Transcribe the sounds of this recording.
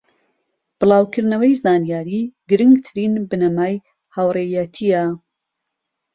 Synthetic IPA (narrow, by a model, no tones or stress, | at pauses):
b̥ɨlˠɑːwkʰɨɾd̪nɐwɐjzaːnjaːɾiɡɨɾɨŋɡt̪ʰɨɾinbɨnɐmaːj | hawrejɛt̪ʰiɐ